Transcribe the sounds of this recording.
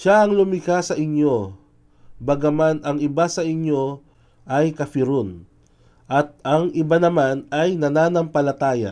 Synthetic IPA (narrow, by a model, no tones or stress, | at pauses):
ʃaɐŋlʊmɪkasɐʔɪɲjo̞ | bɐɡɐmanɐŋɪbasɐʔɪɲjo̞ | ʔɐjkɐfɪɾon | ʔɐt̪̚ɐŋʔɪbanɐmanɐjnɐnanɐŋpɐlɐt̪aːjɐ̰